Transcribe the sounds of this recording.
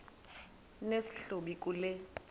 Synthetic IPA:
nesi̥ɬoɓik̬ʼulɛ

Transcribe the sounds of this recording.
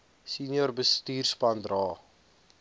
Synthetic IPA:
sinjɔrbəstiːrspɐndrɑː

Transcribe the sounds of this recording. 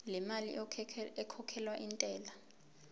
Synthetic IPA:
lɛmalḭɛkʰɔkʰɛlwaʔintʼɛːla

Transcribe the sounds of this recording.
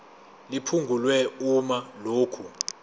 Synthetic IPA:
lipʰuŋɡʱulwɛumaloːkʰu

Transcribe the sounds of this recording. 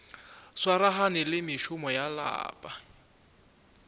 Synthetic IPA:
swaɾaɦanɪlɪmɪʃʊmɔjala̰ːpʼa

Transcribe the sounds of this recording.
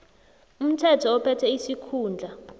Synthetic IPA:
um̩tʰɛtʰɔːpʰɛtʰɛisikʰuːnd͡ɮʱa

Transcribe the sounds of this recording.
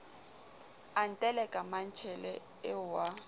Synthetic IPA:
an̩tʼɛlɛkʼaman̩t͡ʃʰɛlɛ | ɪwa

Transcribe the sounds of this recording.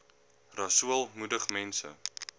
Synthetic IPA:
rɐsuəlˠmudəχmɛnsə̰

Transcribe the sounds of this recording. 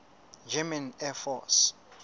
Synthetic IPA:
d͡ʒɛmãnɛfɔs

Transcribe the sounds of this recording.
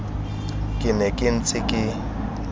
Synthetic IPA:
kʼɪnɛkʼɪn̩t͡sʼɪkʼɪ

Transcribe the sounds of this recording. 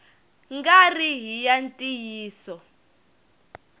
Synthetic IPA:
ŋɡariɦijantʼijiːsɔ

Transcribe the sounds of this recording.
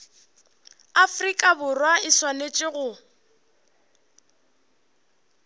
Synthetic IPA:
afrikʼabʊrwaɪswanet͡ʃʼɪɣʊ

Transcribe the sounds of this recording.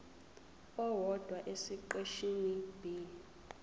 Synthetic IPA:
ɔwɔd̥ʱwaʔesiǃeʃinib̥ʱiːli

